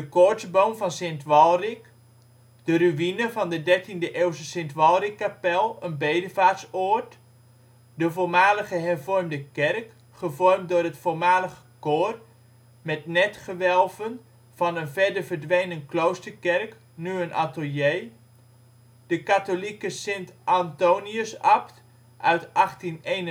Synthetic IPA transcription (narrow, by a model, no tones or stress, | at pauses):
d̥əkʊɹtsbowmvɑnsentʋɔlˠrik | d̥əryʋinəvɑndədɛɹtindəʔelˠsəsɪntʋɑlˠrikːapɛlˠənbejdəvaːtsoɹt | dəvoːlˠmaːləχəɦɛrvɔrmdəkɛrk | χəvɔrm̚dʊːrɦətfoːlmaːləχəkoːr | mɛtnɛtχəʋɛlˠvən | v̥ɑnənvɛɹdərvərdʋejnənklowstəɹkɛrk | nyənʔatəlˠjej | dəkatolikəsɪntʔantowniəsɑpt | ʔœɥtʔɑχtinejn